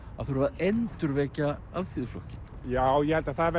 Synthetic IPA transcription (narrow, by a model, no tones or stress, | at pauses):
aðθuɾvaðejnt̪ʏɾvɛːcaalθiːðflɔhcɪn | jaːwjɛhɛlt̪aðθaðvɛ